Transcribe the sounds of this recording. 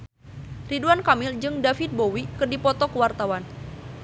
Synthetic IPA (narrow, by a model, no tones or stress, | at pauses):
riduankamɪld͡ʒɨŋdafit̪̚bowikərdipɔt̪ɔkəwart̪awan